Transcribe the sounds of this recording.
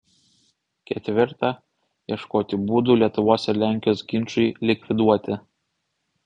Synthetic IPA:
kʲɛt̪ʲʋʲɪɾt̪ɑ | jiɛʃkoːt̪ʲɪbuːd̪ulʲiɛt̪ʊʋoɔsʲɛɾlʲæˑŋʲkʲɪjoːsɡʲɪnˑt͡ʃʊlʲɪkʲʋʲɪd̪uɔt̪ʲɪ

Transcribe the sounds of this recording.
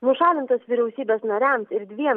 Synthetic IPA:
nʊʃɑːlʲɪnt̪oːsʋʲiɾʲɛʊsʲiːbʲeːsnɐɾʲæmsɪɾd̪ʲʋʲiɛ

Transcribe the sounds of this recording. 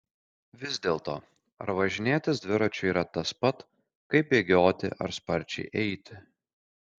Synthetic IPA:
ʋʲɪzʲd̪ʲeːlˠt̪oː | ɐ̰ɾʋɐʒʲɪnʲeːt̪ʲɪsd̪ʲʋʲɪɾɐt͡ʃʲʊiːɾɐt̪ɐspɐt̪ | kɐɪpeːɡʲoːt̪ʲɪ̰ʔɐ̰ɾspɐɾʲt͡ʃʲɛ̰ɪʔɛɪt̪ʲɪ

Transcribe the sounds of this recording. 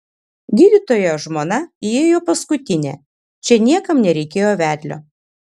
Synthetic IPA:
ɡʲiːd̪ʲɪt̪oːjoʒmoːnɐieːjoːpɐskʊt̪ʲɪnʲɛ̰ | t͡ʃʲɛnʲiɛkɐmnʲɛɾʲɛɪkʲeːjoːʋʲæːd̪ʲlʲo̰ː

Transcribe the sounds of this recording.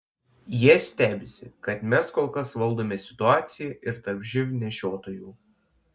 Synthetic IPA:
jiɛsʲt̪ʲæːbʲɪsʲɪkɐt̪mʲɛskoːlˠkɐsʋɐlˠd̪oːmʲeːsʲɪ̥t̪ʊɑːt̪sʲɪjɛʔɪɾt̪ɐɾbʲʒʲɪʋʲnʲɛʃʲoːt̪oːjuː

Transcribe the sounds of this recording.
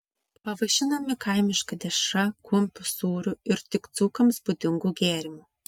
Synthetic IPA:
pɐʋɐʒʲɪnɐmʲɪkɐɪmʲɪʃkɐd̪ʲɛʃɐkuɔmʲpʲusuːɾʲuɪɾt̪ʲɪkt̪suːkɐmsbʊd̪ʲɪŋɡuːɡʲæːɾʲɪmʲu

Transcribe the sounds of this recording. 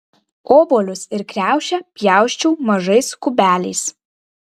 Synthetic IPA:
oːboːlʲʊsɪɾkʲɾʲæˑʊʃʲɛpʲjæˑʊʃʲt͡ʃʲuːmɐʒɐɪskʊbʲæːlʲɛɪs

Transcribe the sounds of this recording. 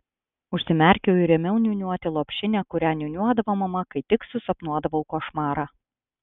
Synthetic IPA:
ʊʃʲsʲɪmʲæˑɾʲkʲoːɪɾʲɛmʲɛʊnʲuʊnʲuɔt̪ʲɪlˠoːpʲʃʲɪnʲɛːkʊɾʲæːnʲunʲuɔd̪ɐʋoːmɐmɐkɐɪt̪ʲɪksʊsɐpnuɔd̪ɐʋɐʊkoːʃmɑːɾɑː

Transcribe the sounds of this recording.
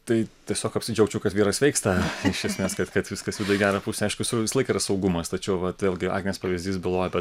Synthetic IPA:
t̪ɐɪtʲiɛsʲoːkɐpsʲɪd͡ʒʲɛʊkt͡ʃʲɛʊkɐt̪ʋʲiːɾɐsʋʲɛɪkst̪ɐɪʃʲiɛsʲmʲeːskɐt̪kɐt̪ʋʲɪskɐsʋʲɪd̪ʊɪɡʲæːɾɐpusʲɛɐɪʃkʊʋʲɪsʋʲɪslˠɐɪkiːrɐsɒʊɡʊmɐst̪ɐt͡ʃʲɛʊʋɐt̪ʋʲeːlʲɡʲɪɑ̰ːɡʲnʲɪnʲeːspɐʋʲɪzʲd̪ʲiːsbʲɪlˠoːjɛbʲɛt

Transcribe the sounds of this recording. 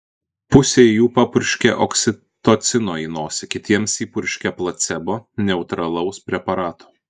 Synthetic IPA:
pʊsʲejuːpɑpʊɾʲʃʲkʲɛ̰ʔɔksʲɪ | t̪oːt̪sʲɪnoːiːnoːsʲɪkʲɪt̪ʲiɛmsiːpʊɾʲʃʲkʲɛplˠɐt̪t̪sʲɛboːnʲɛʊt̪ɾɐlˠɐʊspʲɾʲɛpɐɾɑːt̪o̥ː

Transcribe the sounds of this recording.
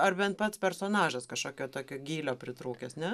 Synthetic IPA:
ɐrbʲɛnt̪̚pɐt̪spʲɛɾsoːnɑːʒɐskɐʃkoːkʲoːt̪oːkʲoːɡʲiːlʲoːpʲɾʲɪt̪ɾuːkʲesnʲɛ

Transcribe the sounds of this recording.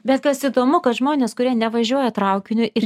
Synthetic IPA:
bʲɛt̪̚kɐsid̪oːmʊkɐt̪ʒmoːnʲeːskʊɾʲiɛnʲɛʋɐʒʲuɔjɛt̪ɾɐʊkʲɪnʲʊʔɪ

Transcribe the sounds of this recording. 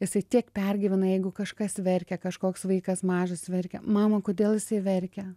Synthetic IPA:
jɪsɐɪt̪ʲiɛkpʲɛrʲɡʲɪʋʲɪnɐjɛɪɡʊkɐʃkɐsʋʲɛɾʲkʲɛkɐʃkoːksʋɐɪkɐsmɑːʒɐsʋʲɛrʲkʲɛmɑːmɐkoːd̪ʲeːlˠjɪsɐɪʋʲɛrʲkʲɛ

